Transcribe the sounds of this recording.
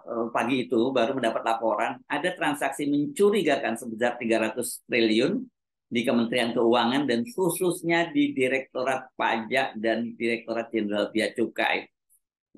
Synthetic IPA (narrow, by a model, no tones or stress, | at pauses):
əpaɡiːt̪ubaɾuməndapat̪̚lapoɾanadat̪ɾansaksiməɲt͡ʃuɾiɡakansəbəsart̪iɡaɾat̪ʊst̪ɾiliʊn | dikəmənt̪ɾiankəuaŋandanhusʊsɲadidiɾɛk̚t̪oɾat̪̚pa̰d͡ʒaʔdandiɾɛk̚t̪oɾat̪̚d͡ʒɛnɾalpiat͡ʃuka̰j